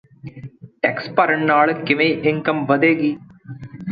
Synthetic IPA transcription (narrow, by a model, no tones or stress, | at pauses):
ʈekspɐɾɐɳnaːɭɨkɪmejʔɪŋkɐmʋɐd̪eːɡi